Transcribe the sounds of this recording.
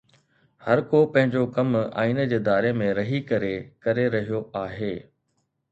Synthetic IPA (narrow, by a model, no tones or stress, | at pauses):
hɐɾkopɐ̃ɦɪ̃ɲd͡ʑokɐma̰ːind͡ʑeːd̪aːɾemẽɾɐɦikɐɾekɐɾeɾɐɦijoaːɦeː